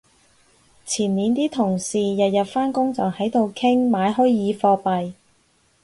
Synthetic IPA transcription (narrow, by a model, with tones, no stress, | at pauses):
t͡sʰiː˨˩nniː˨˧nt̪iː˥t̪ʰʊ˨˩ŋsiː˨˩jɐ˨t̚jɐ˨t̚faː˥nkʊ˥ŋt͡sɐ˨whɐ˨˥jt̪o˨˧wkʰɪ˥ŋmaː˨˧jɦɵ˥jjiː˨˧fɔː˧pɐ˨j